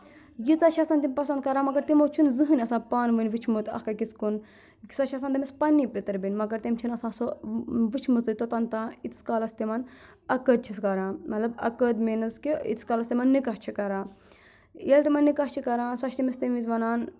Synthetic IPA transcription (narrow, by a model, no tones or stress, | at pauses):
jit͡sɐʃʰɐsaːnt̪imʲpɐsɐnd̪̚kɐɾaːmɐɡɐɾt̪imoːt͡ʃʰunzɨɦɨnʲɐsãːpaːnʋɨnʲʋit͡ʃʰmut̪ɐ̰hkɐkit͡skun | sɐʃʰʲasaːnt̪imʲispɐnːipʲit̪ɨɾbinʲmɐɡɐɾt̪imʲt͡ʃʰinɐsãːsoʋɨt͡ʃʰmɨt͡sɨt̪ot̪ɐnt̪ãːit̪skalɐst̪imɐn | ɐkəd̪̚t͡ʃʰiskɐɾãːmɐt̪lɐbɐ̰kəd̪menɨzkiḭt̪skaːlɐst̪imɐnːikɐht͡ʃʰikɐɾaː | elt̪imɐnːikɐht͡ʃʰikɐɾaːnsɐt͡ʃʰt̪imist̪imʋiz̬ʋɐnaːn